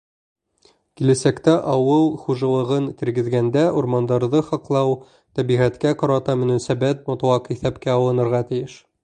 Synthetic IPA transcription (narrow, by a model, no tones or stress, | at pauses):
kilæsækt̪æʔɑwɤlˠχuʒɑlˠɤ̆ʁɤnt̪ɘ̆ɾɡɘ̆ðɡænd̪æuɾmɑnd̪ɑɾðɤχɑqlˠɑw | t̪æβiʁæt̪kæqɑɾɑt̪ɑmɘ̆nænsæbæt̪̚mot̪uwɑqiθæpkæɒw̪ˠɤ̆nɤ̆ɾʁɑt̪ɘ̆jɘʃ